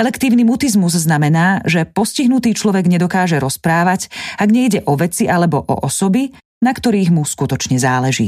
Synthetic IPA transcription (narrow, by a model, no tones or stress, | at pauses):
ɛlɛkt̪iːʊnimut̪izmuzznamɛnaːʒɛpɔsciɦnut̪iːt͡ʃlɔʋɛɡɲɛd̪ɔkaːʒɛɾɔspɾaːʋaɟaɡɲɛiɟɛʔɔʋɛt͡siʔalɛbɔʔɔ̰ʔɔsɔbi | nakt̪ɔɾiːɣmuskut̪ɔt͡ʃɲɛzaːlɛʒḭː